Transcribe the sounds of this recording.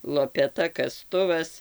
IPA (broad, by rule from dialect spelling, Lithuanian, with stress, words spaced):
lˠoːpʲɛˈtɐ kɐˈstʊʋɐs